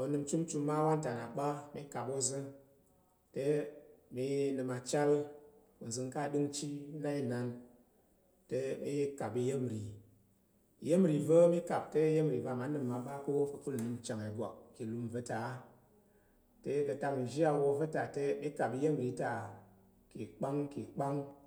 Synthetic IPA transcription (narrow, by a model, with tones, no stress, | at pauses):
o˨˧nɨ˧mt͡ʃu˦mt͡ʃu˧mːa˦wa˦n˦ta˨na˨ɓa˦mi˦ka˨po˧zɨ˦ | te˦mi˧˦nɨ˧ma˨˧t͡ʃa˦l | wu˨zɨ˧ŋ˦ka˦˨ɗɨ˦ŋt͡ʃi˦na˦i˦na˧n | te˧mi˦je˦ka˨bi˧je˦m˨ɾi˨ | je˦mɾi˨və˦mi˦ka˨p̚te˦je˦m˨ɾi˨va˧˨ma˨˦nɨ˨mːa˨˧ba˦ko˦fɨ˧pu˦lnɨ˧mt͡ʃa˨ŋe˨ɡʷa̰˨k̚ki˨lu˧mvə˧ta˨˦ | te˧˦kə˧ta˧ŋi˨ʒi˦a˧wo˧və˦ta˨te˧mi˦ka˨bi˧je˦m˨ɾi˨˦ta˨ | ki˨k͡pa˦ŋki˨k͡pa˦ŋ